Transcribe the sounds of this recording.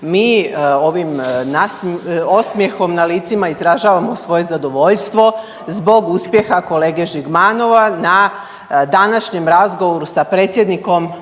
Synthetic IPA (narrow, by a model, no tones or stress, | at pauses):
miːo̞ʋimnaso̞smjexo̞mnaliːt̪simaizɾaʒaːʋamo̞sʋo̞je̞zad̪o̞ʋo̞ʎst̪ʋo̞ | zbo̞ɡuspje̞xako̞leːɡe̞ʒiɡmano̞ʋana | d̪anaʃɲemɾazɡoʋoɾusapɾeːt̪sje̞d̪niko̞m